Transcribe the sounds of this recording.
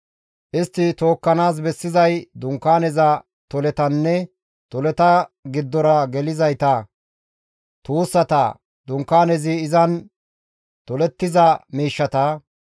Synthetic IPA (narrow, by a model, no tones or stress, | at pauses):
ʔɪst̪ːɪt̪o̞ːkːɐnaːs̬bɛsːɪzɐjd̪ʊŋkːaːnɛzɐ | t̪ɔlɛt̪ɐnːɛ | t̪ɔlɛt̪ɐɡɪd̪ːɔɾɐɡɛlɪzɐjt̪ɐ | t̪uːsːɐt̪ɐ̰ | d̪ʊŋkːaːnɛzɪːzɐn | t̪ɔlɛt̪ːɪzɐmiːʃːɐt̪ɐ